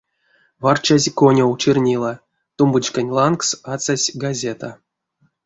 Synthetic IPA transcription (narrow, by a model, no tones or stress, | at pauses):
vart͡ʃazʲkonʲowt͡ʃirnʲilˠa | t̪umbɨt͡ɕkanʲlˠanksat͡sasʲɡazʲet̪a